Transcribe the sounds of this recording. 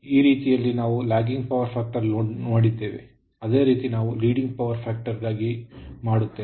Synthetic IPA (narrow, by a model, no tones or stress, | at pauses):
iːɾiːt̪ijɐlːinaːʋulaːɡiŋɡpɐʋɐɾpʰaːk̚ʈɐɾonoːɽid̪ːe̞ːʋḛ | ɐd̪e̞ːɾiːt̪inaːʋuliːɖiŋɡ̚pɐʋɐɾpʰaːk̚ʈɐɾɡaːɡimaːɽut̪ːeː